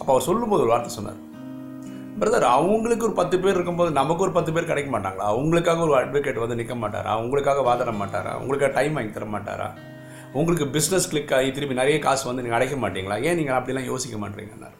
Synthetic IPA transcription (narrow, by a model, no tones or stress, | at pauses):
ɐpːoːɐʋɐɾsɔlːɯmpoːðɯɔɾɯʋaːɾt̪ːɐsɔnːa̰ːɾ | pɐɾɐðaːɾɐʋɐŋɡɐɭɯkːɯɔɾɯpɐt̪ːɯp̬eːɾɪɾɯkːɯmpoːðɯnɐmɐkːɯɔɾɯpɐt̪ːɯp̬eːɾkɐɽɐɪkːɐmaːʈːa̰ːŋɡɐɭaːʊŋɡɐɭɯkːaːɣɐɔɾɯɐɖʋɐkeʈːʋɐnd̪ɯnɪkːɐmaːʈːa̰ːɾa̰ːʊŋɡɐɭɯkːaːɣɐʋaːðaːɾɐmaːʈːa̰ːɾa̰ːʊ̰ŋɡɐɭɯkːaːɣɐʈɐɪmʋaːŋɡit̪ɐɾɐmaːʈːa̰ːɾa̰ː | ʊŋɡɐɭɯk̬ːɯbɪsnɐskɭɪkːaːit̪ːɪɾɯpinɐɾɐjɐkaːsʋɐnd̪ɯniːŋɐɽɐɪkːɐmaːʈːiːŋɡɐɭaːẽːniːŋɡɐɐpːɐɽɪjɛlːãːjoːsɪkːɐma̰ːʈɾḭːŋɡɐnːa̰ːɾ